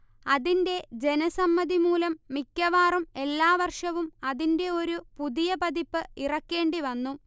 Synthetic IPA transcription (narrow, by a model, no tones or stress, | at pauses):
ɐðinde̞d͡ʑe̞nɐsɐmːɐðimuːlɐmːikʲːɐʋaːrume̞lːaːʋɐrʂɐʋumɐðinde̞o̞ɾupuðijɐpɐðipːɨirɐkːe̞ːɳɖiʋɐnːu